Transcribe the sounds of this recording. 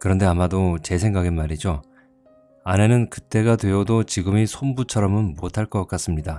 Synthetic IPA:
kɯɾʌnde̞amadot͡ɕe̞sʰeŋɡaɡenmaɾid͡ʑo | ane̞nɯnkɯt͈e̞ɡadwe̞ʌdot͡ɕiɡɯmisʰombut͡ɕʰʌɾʌmɯnmotʰaɭk͈ʌk͈as͈ɯmɲida

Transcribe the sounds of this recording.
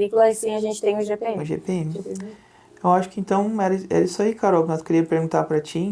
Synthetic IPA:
ikulɐsĩɐʒẽnt͡ʃɪ̥t̪ẽj̃ũʒepẽũʒḛpeẽmɪ | ewaʃʊ̥kɪẽnt̪ɐ̃w̃ɛɾɐɛ̰ɾɐisaikaɾɔwknazkeɾiɐpeɾɡũt̪aɾpɾɐt͡ʃĩ

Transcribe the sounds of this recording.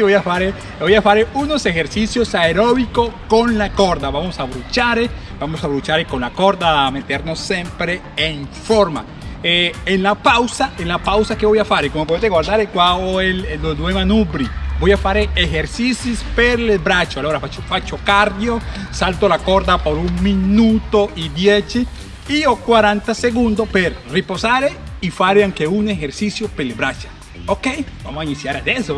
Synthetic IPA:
iβojafaɾe | bojafaɾeunose̞xeɾsisjosaeɾoβikokonlakoɾd̪aβamosaβɾut͡ʃaɾe | bamosaβɾut͡ʃaɾekonlakoɾd̪aːmet̪eɾnosːempɾe | eŋfoɾma̰ | eenlapawsaʔenlapawsakeβojafaɾekomopoet̪eɣwaɾd̪aɾekwaoeld̪od̪wemanubɾibojafaɾeexeɾsisispeɾlebɾat͡ʃoaloɾafat͡ʃofat͡ʃokaɾdjosalt̪olakoɾd̪apoɾuŋmĩnut̪oʔidjet͡ʃi | iokwaɾant̪aseɣund̪ospeɾreposaɾeifaɾeaŋkeunexeɾsisjopelebɾat͡ʃḁ | okejbamosainisjaɾad̪eso

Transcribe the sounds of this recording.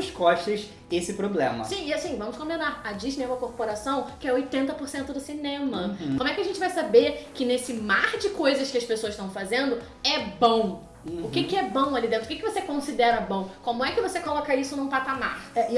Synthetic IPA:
ʃskɔʃt̪ɐz | esɪpɾoblḛ̃mɐ̰sĩɪasĩvɐ̃mʊskõb̪d̪ed̪aɾɐd͡ʒizneũmɐkoɾpoɾasɐ̃w̃kɪɛojt̪ẽnt̪ɐpoɾsẽnt̪ʊd̪ʊsinẽmɐkõmʊɛkɪɐʒẽnt͡ʃɪvajsabeɾkɪnesɪmaɾd͡ʒɪkojzɐskɪɐspesoɐzɪʃt̪ɐ̃w̃fazẽnd̪ʊ | ɛbõw̃ | ʊkɪkɪɛbõw̃alid̪ẽnt̪ɾʊkɪkɪvosekõsid̪ɛɾɐbõw̃kõmʊɛkɪvosekolɔkɐisʊnũpat̪ama̰ɾɛ

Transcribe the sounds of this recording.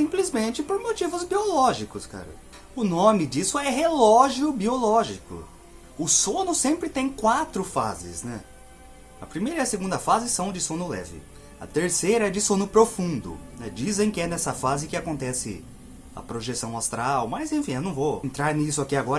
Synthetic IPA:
sĩplizmẽnt͡ʃɪpoɾmot͡ʃivʊzbiolɔʒikʊska̰ɾɐ̰ | ʊnõmɪd͡ʒisʊɛɦelɔʒiʊbiolɔʒikʊ̰ | ʊsõnʊsẽmpɾɪt̪ẽj̃kwat̪ɾʊfa̰zɪ̰snɛ̰ | ɐ̰pɾimejɾɐiɐseɡũd̪ɐfazɪsɐ̃w̃d͡ʒɪsõnʊlɛ̰vɪ̰ | ɐ̰t̪eɾsejɾɐɛd͡ʒɪsõnʊpɾofũnd̪ʊ̰nɛd͡ʒizẽj̃kɪɛnɛsɐfazɪkɪakõnt̪ɛsɪ̰ | ɐ̰pɾoʒesɐ̃w̃ast̪ɾawmɐzẽfĩewnɐ̃w̃voẽnt̪ɾaɾnisʊakiaɡɔɾɐ

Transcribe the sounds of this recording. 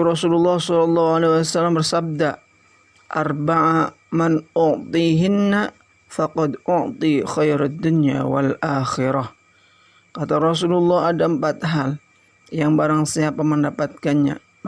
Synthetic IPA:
ɾɔsululːɑhsɔlɔlːɑɦualewasalːambərsab̚da | ʔa̰rbaʕa | manʔʊʕt̪iɦɪnːa | fɑqɑd̪ʔʊʕt̪ˤixajɾad̪ːʊnja̰wa̰lʔaːxɪɾah | kat̪aɾɔs̬ululːɑɦadaəmpat̪̚ɦal | jaŋbaɾaŋsiapaməndapat̪̚kanɲa̰

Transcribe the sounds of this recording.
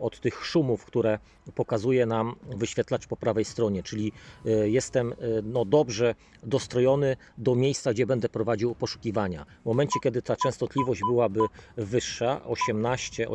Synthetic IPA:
ɔt̪ːɘxʂumufkt̪uɾɛ | pɔkazujɛnamvɘɕfʲjɛt̪lat͡ʂpɔpɾavɛjst̪ɾɔɲɛt͡ʂɘlʲijɛst̪ɛmnɔd̪ɔbʐɛ | d̪ɔst̪ɾɔjɔnɘ | d̪ɔmʲjejst̪saɡd͡ʑɛbɛnd̪ɛpɾɔvad͡ʑiwpɔʂu̥kʲivaɲavmɔmɛnt͡ɕɛkʲjɛd̪ɘt̪ʰat͡ʂɛ̃ñst̪ɔt̪lʲivɔʑd͡ʑbɘwabɘvɘʂːaʔɔɕɛmnaɕt͡ɕɛɔ̰

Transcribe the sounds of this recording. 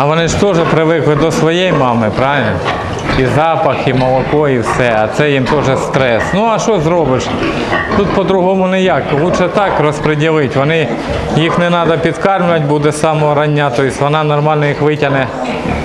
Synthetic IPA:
ɐʋɔnɪʃt̪ɔʒɛpɾɪʋɪklˠɪd̪ɔsʋɔjejmɑmɪpɾɑʋɪlʲnɔ̰ | izɑpɐximɔlˠɔkɔiwsɛɐt̪sɛjimt̪ɔʒɛst̪ɾɛsnuɐʃɔzɾɔbɪʃ | t̪ut̪̚pɔd̪ɾʊɦɔmʊnɛjɑkːɔlˠut͡ʃɛt̪ɑkrɔspɾedʲilˠɪtʲʋɔnɪ | jixnɛnɑd̪ɐpʲid̪kɑrmlʲʊʋɐt̚ʲbud̪ɛsɑmɔɔɾɐnʲːat̪ɔjisʲʋɔnɑnɔrmɑlʲnɔjixʋɪtʲɐnɛ

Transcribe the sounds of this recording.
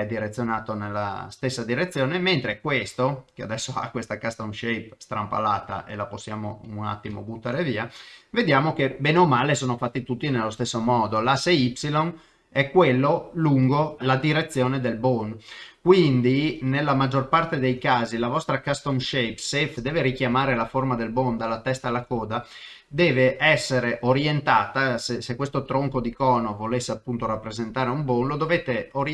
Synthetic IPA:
ɛd̪iɾet̪sːjonaːt̪onelːa̰st̪esːad̪iɾet̪sːjoːnement̪ɾekwest̪okead̪ɛsːoa̰kːwest̪akast̪omʃejp̚st̪ɾampa̰laːt̪a̰ʔelaposːjaːmo̰una̰t̪ːimo̰but̪ːaːɾeviːaved̪jaːmokebɛːneomaːlesoːnofat̪ːit̪ut̪ːinelːost̪esːomɔːd̪olaseipsilon | ɛkːwelːoluŋɡolad̪iɾet̪sːjoːned̪elbonkwind̪inelːamad͡ʒːorpart̪ed̪ejkaːzilavɔst̪ɾakast̪omʃejksefd̪ɛːveɾikjamaːɾelaformad̪elbond̪alat̪ɛst̪alakɔːd̪a | d̪ɛːveʔɛsːeɾeʔoɾjent̪aːt̪asesekːwest̪ot̪ɾoŋkod̪ikɔːnovolesːeapːunt̪oɾapːɾezent̪aːɾeumbonlod̪oveːt̪eoɾ

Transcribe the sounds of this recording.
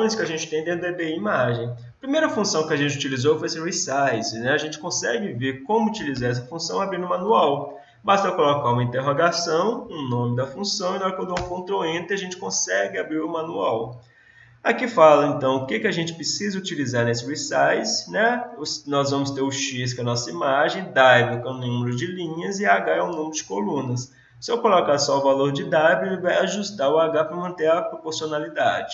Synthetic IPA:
j̃skɪaʒẽnt͡ʃɪ̥t̪ẽj̃d̪ẽd̪eb̪eimaʒẽj̃ɐpɾimejɾɐfũsɐ̃w̃kɪaʒẽnt͡ʃɪut͡ʃilizofojesɪɾisajzɪnɛaʒẽnt͡ʃɪ̥kõsɛɡɪveɾkõmʊut͡ʃilizaɾɛs̬ɐfũsɐ̃w̃abɾiɾnʊmɐ̃nuaw | bast̪ɛkolokaɾũmɐĩnt̪eɦoɡasɐ̃w̃ʊnõmɪd̪ɐfũsɐ̃w̃ĩnɔɾkwɐ̃nd̪ʊɛ̃w̃fõnt̪ɾõẽt̪ɪaʒẽnt͡ʃɪ̥kõsɛɡɪabɾiɾʊmɐ̃nuaw | akifalɐẽnt̪ɐ̃w̃ʊkekɪaʒẽnt͡ʃɪ̥pɾɪsizɐut͡ʃilizaɾnesɪwisajsnɛsnɔzvɐ̃mʊst̪eɾʊʃis̬kɐnɔsɐimaʒẽj̃d̪ajbɪkɐ̃nũmeɾʊd͡ʒɪlĩɲɐzɪaɡaɛũnũmɪɾʊd͡ʒɪkolũnɐs | sɪɛwkolɔkaɾsɔʊvaloɾd͡ʒɪd̪ajbelɪvajaʒust̪aɾʊaɡapɾɐmɐ̃nt̪ẽɾɐpɾopoɾsionalid̪a̰d͡ʒɪ̥

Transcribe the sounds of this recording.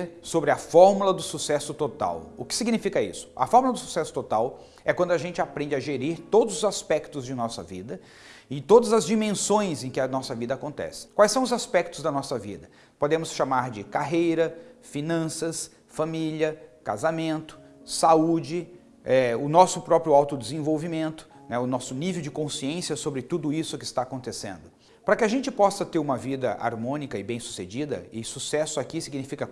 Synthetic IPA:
ɾsobɾɪɐfɔɾmulɐd̪ʊsusɛsʊt̪ot̪a̰wʊkɪ̥siɡnifikɐḭsʊ̥ɐ̰fɔɾmulɐd̪ʊsu̥sɛsʊ̥t̪ot̪aw | ɛkwɐ̃nd̪ʊaʒẽnt͡ʃɪapɾẽnd͡ʒɪɐʒeɾiɾt̪od̪ʊzʊzaspɛkt̪ʊzd͡ʒɪnɔsɐ̰vḭd̪ɐ | ɪt̪od̪ɐzɐzd͡ʒimẽsõj̃zẽj̃kɪɐnɔsɐvid̪ɐaːkõnt̪ɛ̰sɪ̥kwajsɐ̃w̃ʊzaspɛk̚t̪ʊzd̪ɐnɔsɐvḭd̪ɐ | pod̪ẽmʊsʃamaɾd͡ʒɪkaɦejɾɐfinɐ̃sɐs | familɐkazamẽnt̪ʊ̥ | saud͡ʒɪ | ɛʊnɔsʊpɾɔpɾjʊawt̪ʊd̪ɪzẽvowvimẽnt̪ʊ̥nɛʊnɔsʊnivewd͡ʒɪkõsiẽsijɐsobɾɪt̪ud̪ʊisʊkɪst̪aːkõnt̪esḛ̃nd̪ʊ | pɾɐkɪaʒẽnt͡ʃɪpɔsɐt̪eɾũmɐvid̪ɐ̰ʔa̰ɾmõnikɐɪbẽj̃su̥sed͡ʒid̪ɐ̰ɪsusɛsʊakisiɡinifikɐ

